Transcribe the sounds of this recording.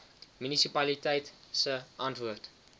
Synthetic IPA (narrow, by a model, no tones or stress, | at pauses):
mynisipɐlitɛjtsəʔɐntvuərt